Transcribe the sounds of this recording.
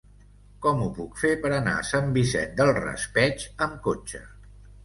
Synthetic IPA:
kɔmupukfepəɾəna̰əsambisɛ̰t̪̚d̪əlˠrə̰spɛt͡ʃəmkot͡ʃə̰

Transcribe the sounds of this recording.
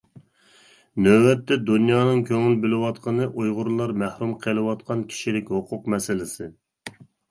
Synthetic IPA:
nøwɛt̪ːɛd̪unjɑːnɨŋkʲʰøŋylbɪlɪwɑt̪qʰənɨʔujʁʊɾlˠɑɾmæhɾumqʰəlˠɨwɑt̪̚qʰɑnkʲʰi̥ʃilɪkʲhʊqʰʊqmɛsɪlɪsɪ

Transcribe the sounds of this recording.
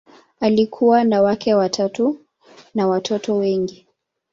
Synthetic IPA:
alikʰuwanawakɛwatʰatu | nawatʰɔtɔwɛŋɡi

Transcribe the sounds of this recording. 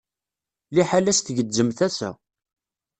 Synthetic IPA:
liħalæsθʝəd͡zːəmθæsæ̰

